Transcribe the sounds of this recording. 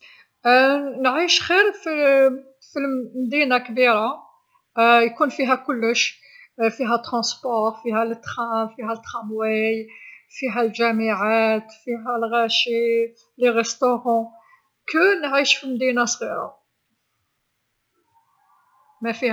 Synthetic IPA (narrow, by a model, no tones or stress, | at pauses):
nʕiʃxiɾfi | filmd̪inakbiɾa | jkunfiɦækʊlːəʃ | fiɦæt̪ːʁɑ̃spɔɾfiɦælət̪ːχæfiɦæt̪ːχɑmwijfiɦælʒæmiʕat̪fiɦælɣæʃi | leʁəst̪oʁɑ̃ | kənʕiʃfilmd̪inasɣiɾa̰ | mæfih